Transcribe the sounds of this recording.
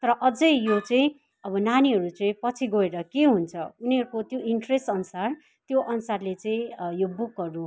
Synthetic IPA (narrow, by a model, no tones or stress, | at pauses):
t̪ʌɾʌʔʌd͡zʌjjot͡sʌĩ | ʌbʌnaniɦʌɾut͡sʌĩpʌt͡sʰiɡoeɾʌkeɦunt͡sʰʌuniɦʌɾukot̪joʔiɳʈresʈʌnusar | t̪joʔʌnusarlet͡sʌĩjobukɦʌɾu